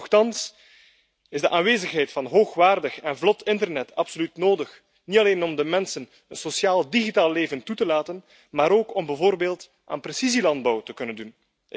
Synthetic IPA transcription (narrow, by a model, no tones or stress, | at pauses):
xtɑns | ɪzdəʔaːnʋeːzəxɦɛjtfɑnɦoːxʋaːrdəxɛnvlɔtʰɪntərnɛtʰɑpsolytnoːdəx | nitɑleːnɔmdəmɛnsən | ənsosjaːlˠdiɣitaːleːvəntutəlaːtən | maːɾoːkɔmbɛvoːrbeːlˠt | ʔa̰ːnprɛsizilɑnd̚bɑwtəkɵnəndun